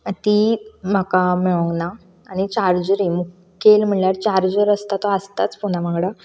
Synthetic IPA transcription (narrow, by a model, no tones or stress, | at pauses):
t̪im̤akamiɭõŋɡnaː | ɽ̃it͡ɕaɾd͡ʑɾimukː | elm̤əɳljaɾt͡ɕaɾd͡ʑəɾəst̪at̪oəst̪at͡sponaʋãŋɡɽa